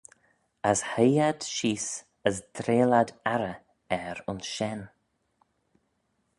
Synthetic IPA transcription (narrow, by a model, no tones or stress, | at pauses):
əshəjad̪̥ʃiːs | əsd̪̥ɾeːladaɾə | ɛɾʊnsʃɛn